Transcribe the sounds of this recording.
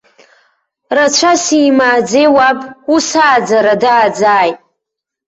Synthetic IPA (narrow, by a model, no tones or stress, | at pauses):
rat͡ʃʷʰasiːmaːd͡zewapʼusaːd͡zaɾadaːd͡zaːjtʼ